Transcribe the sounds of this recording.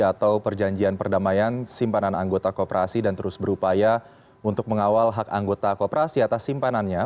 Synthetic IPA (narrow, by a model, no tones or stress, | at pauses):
at̪awpərd͡ʒaɲd͡ʒianpərdamajansimpananaŋɡot̪akopəɾasidant̪əɾʊsbəɾupaja | unt̪ʊk̚məŋawalɦaka̰ŋɡot̪akopəɾasiat̪asːimpananɲa